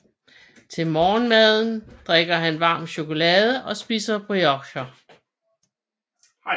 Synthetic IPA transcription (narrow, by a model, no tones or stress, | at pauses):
t͡sʰe̝lmɒːnmæð̞ˠn̩d̥ʁeɡ̥ɐɦænʋɑ̈ːmɕo̝ko̝lɛːð̞ˠəʔɒ̽sb̥iːsɐb̥ʁiɒ̽ɡ̥ɕɐ